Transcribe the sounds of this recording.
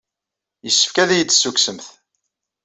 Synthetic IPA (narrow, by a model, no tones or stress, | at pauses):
jəsːə̥fkæðæjəd̪ːsːuksəmθ